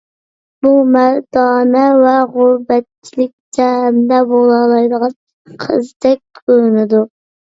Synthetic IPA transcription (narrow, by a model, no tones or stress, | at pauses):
b̥umæɾd̪ɑːnɛwɛʁʊɾbɛt̪̚t͡ʃʰilɪk̚ʲt͡ʃ̪ɛmd̪ɛbolˠɑlˠɑjd̪əʁɑ | qʰə̰zd̪ɛk̚ʲkʰøɾnɪd̪u